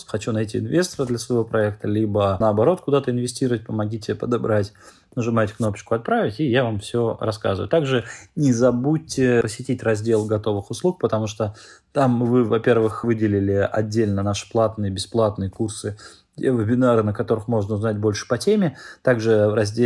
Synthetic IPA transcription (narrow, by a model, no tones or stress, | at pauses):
xɐt͡ɕunɐjtʲiɪnvʲe̞st̪əɾəd̪lʲəsvəjɪvo̞pɾɐɛk̚t̪əlʲibənəːbɐɾo̞t̪̚kʊd̪at̪əɪnvʲɪsʲtʲiɾəvət̚ʲpəmɐɡʲitʲɪpəd̪abɾatʲ | nəʐɨmajtʲkno̞pə̥t͡ɕkʊɐt̪̚pɾavʲɪtʲijavamfsʲoɾɐska̰zɨvə̰jʊ̰t̪aɡʐɨnʲɪzɐbutʲːɪpəsʲːɪtʲitʲrɐzʲdʲe̞lˠɡɐt̪o̞vɨxʊslˠuk̚pət̪ɐmuʂt̪ot̪amvɨvɐpʲe̞rvɨxvɨdʲɪlʲɪlʲɪɐ̰dʲːelʲnənaʂɨ̥plˠat̪nɨjəbʲɪsplˠat̪nɨjəkursɨ | vʲɪbʲɪnaɾɨnəkɐt̪o̞ɾɨxmo̞ʐnəʊznat̚ʲbo̞lʲʂɨ̥pɐtʲemʲɪt̪aɡʐɨɾɐzʲdʲ